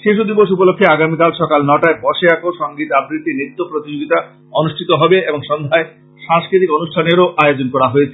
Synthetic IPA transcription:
ʃeʃud̪iboʃupolokʰːeaɡamikalʃɔkalnɔʈaepɔʃeakoʃɔŋɡit̪abɾiʈinit̪ːopɾot̪id͡ʑoɡit̪a | onuʃʈʰit̪oɦɔbeeboŋʃɔnd̪ʱae | ʃãŋskɾit̪ikonuʃʈʰaneɾoʔajod͡ʑonkɔɾaɦoet͡ɕʰe

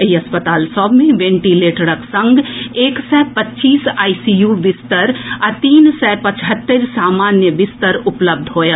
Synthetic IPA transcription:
əiɐspət̪aːlsɔːbʱmẽʋẽːɳʈileːʈəɾəksɐ̃ŋɡeːksɛːpɐtːt͡ʃiːsaːisijuʋɪst̪əɾat̪iːnsɛːpɐt͡ʃɦət̪ːəɾsaːmaːnjəʋɪst̪əɾʊpləb̚d̪ʱɦoːja

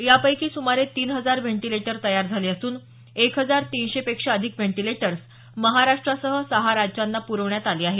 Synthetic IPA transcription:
japəjkiːsumaɾet̪iːnɦəd͡zaɾʋeɳʈileʈəɾt̪əjaɾd͡zʱaliːəsuːn | ekɦəd͡zaɾt̪iːnɕepekʂaəd̪ʱikʋeɳʈileʈəɾs | məɦaɾaʂʈɾasəɦəsəɦaɾad͡ʑd͡ʑanːapuɾəʋɳjat̪aliːaɦe

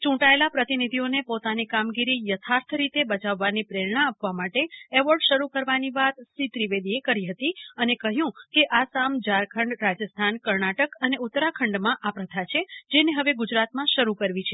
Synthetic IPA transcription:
t͡ʃũʈaelapɾət̪inid̪ʱionepot̪anikamɡiɾijət̪ʰaɾt̪ʰɾit̪ebət͡ʃaʋːanipɾeɾɳaːpʋamaʈeɛʋəɾɖʃəɾukəɾʋaniʋat̪sit̪ɾiʋed̪iekəɾiɦət̪iənekəɦjũkeʔasamd͡ʒaɾkʰəɳɖɾad͡ʒəst̪ʰankəɾɳaʈəkəneut̪ːɾakʰəɳɖmãʔapɾət̪ʰat͡ʃʰed͡ʒeneɦəʋeɡʊd͡ʒɾat̪mãʃəɾukəɾʋit͡ʃʰe

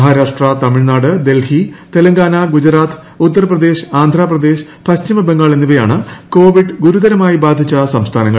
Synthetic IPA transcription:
ɦaːɾaːʂʈrɐt̪ɐmiɭnaːɽɨd̪e̞lhit̪e̞lɐŋɡaːnɐɡud͡ʑɐɾaːt̪ʰ | ut̪ːɐrɐprɐd̪e̞ːɕaːnd̪ʱraːprɐd̪e̞ːɕ | pɐɕt͡ɕimɐbeŋɡaːɭenːiʋɐja̰ːɳɨko̞ːʋiɖɡuɾud̪ɐɾɐmaːjibaːd̪ʱit͡ɕːɐsɐmst̪ʰaːnɐŋːɐɭ

